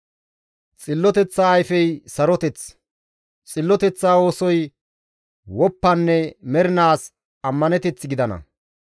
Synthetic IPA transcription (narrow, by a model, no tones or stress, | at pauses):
t͡sʼɪlːɔt̪ɛt͡sːaːjfɛjsɐɾɔt̪ɛt͡s | t͡sʼɪlːɔt̪ɛt͡sːaːo̞ːsɔj | wɔpːɐnːɛmɛɾɪnaːs | ɐmːɐnɛt̪ɛt͡sːɪɡɪd̪ɐnɐ̰